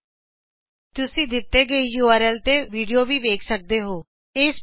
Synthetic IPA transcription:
t̪ʊsĩːd̪ɪt̪ːeːɡəejuːaːɾɛːlt̪eːʋiːɖijoːʋiːʋeːkʰsək̚d̪eːɦoː | eːs

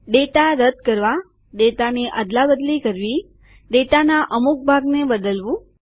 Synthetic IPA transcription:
ɖet̪aɾəd̪̚kəɾʋa | ɖet̪aneʔəd̪labəd̪likəɾʋi | ɖet̪anaʔəmuk̚bʱaɡnebəd̪əlʋũ

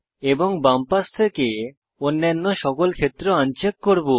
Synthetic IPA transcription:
eboŋbampast̪ʰeke | onːanːoʃɔkolkʰet̪ːɾoant͡ɕekːoɾbo

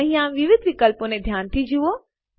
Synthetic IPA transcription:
ɦĩjãʋɪʋɪd̪ʱʋɪkəlpõnẽd̪ʱjaːnt̪ʰid͡ʑʱuoː

